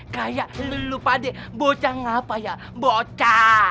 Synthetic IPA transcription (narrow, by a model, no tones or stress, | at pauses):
kajaləlupadebot͡ʃaŋapaja | bɔt͡ʃa